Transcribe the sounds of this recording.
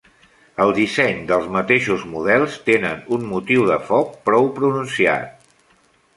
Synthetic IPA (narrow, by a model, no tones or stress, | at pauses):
əlˠd̪isɛɲd̪əlˠzmət̪eʃuzmuð̞ɛlˠst̪enənunmut̪iwðəfɔk̚pɾɔwpɾununsia̰t̪̚